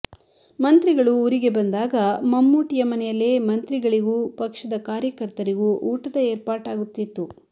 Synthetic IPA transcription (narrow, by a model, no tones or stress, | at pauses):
mɐnt̪ɾiɡɐɭuːɾiɡe̞bɐnd̪aːɡɐmɐmːuːʈijɐmɐnɛjɐlːe̞ːmɐnt̪ɾiɡɐɭiɡuːpɐkʂɐd̪ɐkaːɾjɐkɐɾt̪ɐɾiɡuʔuːʈɐd̪ɐeːɾpaːʈaːɡut̪ːit̪ːu